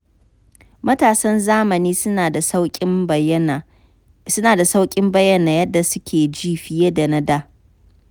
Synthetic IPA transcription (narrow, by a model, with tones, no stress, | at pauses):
mɐ˦taː˨sɐ˦nzaː˦mɐ˨niː˦a˨da˨˦ɪ˦˨ | sʊ˦naː˨da˨sa˦wkʲʼɪ˦mbɐ˦jːɐ˦naː˨jɐ˦dːa˨sʊ˦kʲʰeː˨d͡ʒiː˦ɸɪ˨jeː˦da˨na˦daː˦